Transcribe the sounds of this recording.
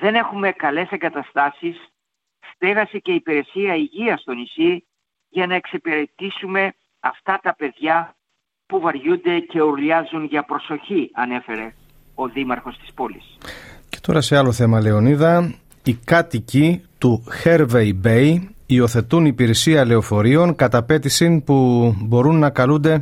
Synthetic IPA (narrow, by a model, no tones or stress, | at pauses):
ðe̞ne̞xume̞kɐle̞seŋɡɐt̪ɐst̪ɐsisː | t̪eɣɐsece̞ipiɾe̞siɐiʝiɐst̪o̞nisi | ʝɐnɐe̞ksepiɾe̞t̪isume̞ | ɐ̰ft̪ɐt̪ɐpe̞ðʝɐ | puvɐɾʝund̪e̞ce̞uɾlɐzunʝɐpɾo̞so̞çiɐne̞fe̞ɾe̞ | o̞ðimɐɾxo̞st̪i̥spo̞lisce̥t̪o̞̰ɾɐse̞ɐlo̞θe̞mɐle̞o̞niðɐ | ikɐt̪icit̪uxe̞ɾvejbejio̞θe̞t̪unipiɾe̞siɐle̞o̞fo̞ɾio̞ŋkɐt̪ɐpe̞t̪isinpubo̞ɾunːɐkɐlund̪e̞